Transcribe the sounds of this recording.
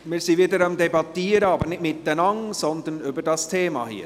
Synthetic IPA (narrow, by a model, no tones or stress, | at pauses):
miːɾsiːʋiːd̪əɾʊmd̪ɛbɑt̪iːɾəɑːbəɾnɪtmɪt̪̚ːənɑŋsɔnd̪ənyːbədɑst̪ʰeːmɑ̰hḭːɾ